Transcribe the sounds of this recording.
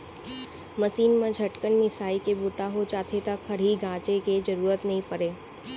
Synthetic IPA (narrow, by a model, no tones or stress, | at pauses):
məsiːnmãd͡ʒʱɐʈkənmɪsaːikebʊt̪aɦot͡ʃaːt̪ʰet̪ɐkpʰɐɾɦiɡʱãːt͡ʃeked͡ʒəɾuːɾət̪nɐɦĩpɐɾeː